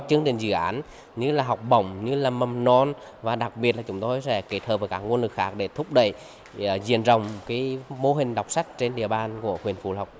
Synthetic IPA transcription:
t͡ɕɨ˨˦əŋt͡ɕï˨˩ŋ̟zɨ̰˧˨ʔaː˨˦n | ɲɨ˧laː˨˩ɦɔ˨˩wk͡p̚ɓə̰˧˩wŋ͡mɲɨ˧laː˨˩mə˨˩mnɔ˧˩n | vaː˨˩ɗa˨˩k̚ɓi˨˩ət̚laː˨˩t͡ɕʊ˨˦ŋ͡mt̪o˧jsɛ̰˧˥ke˦˥t̚hʰəː˨˩p̚vəː˨˦kaː˦˥k̚ŋ˧ənlɨ˨˩k̚xaː˦˥k̚ɗe˧˩t̪ʰʊ˦˥k͡p̚ɗə̰˧˨j | zḭ˧˨ənzə˨˩wŋ͡mkaː˨˦jmo˧ɦï˨˩ŋ̟ɗa˨˩wk͡p̚sa˦˥jk̟̚t͡ɕe˧nɗḭ˧˨əɓaː˧˨nku˧˩əxwi˨˩ənfṵ˧˩la˨˩wk͡p̚

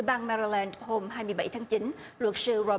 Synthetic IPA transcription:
ɓaː˧nmɛ˧ɾi˧lɛː˧nho˧mɦaː˧jmɨ˧əjɓa˧˩jt̪ʰaː˨˦ŋt͡ɕi˨˦n | lwə˨˩t̚sɨ˧zɔ˧˩

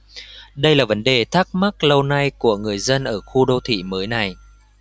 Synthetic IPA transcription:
ɗə˧jlaː˨˩və˨˦nɗe˨˩t̪ʰa˦˥k̚ma˦˥k̚lə˧wna˧jku˧˩əŋɨ˨˩əjzə˧nʔəː˧˩xu˧ɗo˧t̪ʰḭ˧˨məː˨˦jna˨˩j

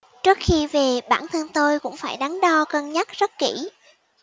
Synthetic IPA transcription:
t͡ɕɨ˦˥ək̚xi˧ve˨˩ɓaː˧˩nt̪ʰə˧nt̪o˧jkʊ̰˧˥ŋ͡mfaː˧˩jɗa˨˦ŋɗɔ˧kə˨˧˩nɲa˦˥t̚zə˦˥t̚ki˧˩

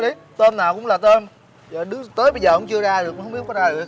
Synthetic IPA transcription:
ɗi˨˦ | t̪əː˧nːaː˨˩wkʊ̰˧˥ŋ͡mlaː˨˩t̪ə˧n | ɔ˨˩ɗɨ˨˦˥t̪əː˨˦jɓə˧jzəː˨˩ʊ̰˨˥ŋ͡mt͡ɕɨ˧əzaː˧ɗɨ˨˩k̚ːŋ͡mɓ̚kzaː˧ɗɨ˨˩ək̚

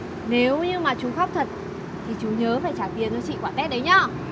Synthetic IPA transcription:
ne˨˦wɲɨ˧maː˨˩t͡ɕu˨˦xa˦˥wk͡p̚t̪ʰə˨˩t̚ | t̪ʰi˨˩t͡ɕu˨˦ɲəː˨˦faː˧˩jt͡ɕaː˧˩ɓi˨˩ən̚t͡ɕɔ˨˧˦t͡ɕḭ˧˨kwaː˧˩nt̪ɛ˦˥t̚ɗə˨˦jɲɔ˧˩

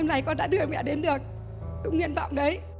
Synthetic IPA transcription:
ɛ˧mlaː˨˩jkɔ˧nɗa̰ː˧˥ɗɨ˧ə˨mɛ̰˧˨ɗe˨˦nɗɨ˨˩ək̚ | kʊ̰˧˥ŋ͡mŋwḭ˧˨ənvɔ̰˧˨wŋ͡mɗə˨˦j

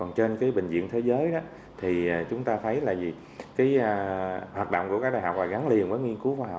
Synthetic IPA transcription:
kɔ˨˩nt͡ɕe˧nkaː˨˦jɓï˨˩ŋ̟zḭ˧˨ənt̪ʰe˨˦jzəː˨˦jɗɔ˨˦ | t̪ʰiː˨˩˨t͡ɕʊ˨˦ŋ͡mt̪aː˧t̪ʰə˨˦jla̰ː˧˨jzi˨˩ | kaː˨˦jəː˧˩hwaː˨˩t̚ɗo̰˧wŋ͡mku˧˩əkaː˦˥kɗaː˧˨jɦɔ̰˧˩wk̚laː˨˩ɣa˨˦ŋli˨˩ənvəː˨˦jŋi˧ənku˨˦vaː˨˦ha̰˨

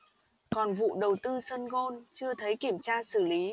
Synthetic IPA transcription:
kɔ˨˩nvṵ˧˨ɗə˨˩wt̪ɨ˧sə˧nɣo˧nt͡ɕɨ˧ət̪ʰə˨˦jki˧˩əmt͡ɕaː˧sɨ˧˩li˨˦

